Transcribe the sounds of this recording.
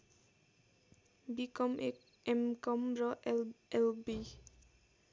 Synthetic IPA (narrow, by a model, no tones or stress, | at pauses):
bikɔme | emkɔmɹɔɛlbi